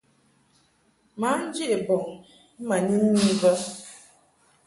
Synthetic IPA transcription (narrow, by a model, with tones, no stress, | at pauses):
ma˨˦n̩˦d͡ʒi˦e˨bɔ˨ŋ̩˨ | m̩˦ma˨ɲi˦n̩˦ni˦və˦